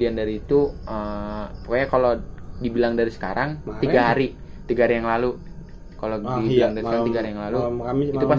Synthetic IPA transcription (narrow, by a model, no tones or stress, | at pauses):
iandaɾiːt̪uəpokaɲakalodibilaŋdaɾisə̥ka̰ɾaŋt̪iɡaɦaɾi | t̪iɡaɦaɾijaŋlalu | kalodibilaŋdaɾisəkaɾaŋt̪iɡaɦaɾijaŋlaluiupas